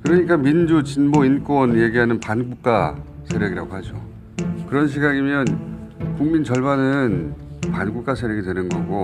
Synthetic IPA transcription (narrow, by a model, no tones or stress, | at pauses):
kɯɾʌɲik͈amind͡ʑut͡ɕinboink͈wʌnje̞ɡiɦanɯnpanɡuk̚k͈a | sʰe̞ɾjʌɡiɾa̰ɡoɦad͡ʑo | kɯɾʌnɕ̬ʰiɡaɡimjʌn | kuŋmint͡ɕʌɭbanɯnpanɡuk͈asʰeɾjʌɡitwe̞nɯnɡʌɡo